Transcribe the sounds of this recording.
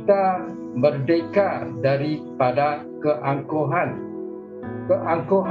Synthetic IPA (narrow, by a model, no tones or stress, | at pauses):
t̪a | bərdekadaɾipada | kəʔaŋkoɦan | kəʔaŋkoɦ